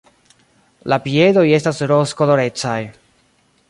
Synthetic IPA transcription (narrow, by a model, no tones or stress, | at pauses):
lapie̞do̞je̞stasɾoskolo̞ɾe̞t͡saj